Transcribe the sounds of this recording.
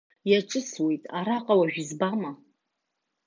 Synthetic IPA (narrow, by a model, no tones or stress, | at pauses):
jaʈ͡ʂʼɨswe̞jtʼaɾaqʼawaʒᶣizbama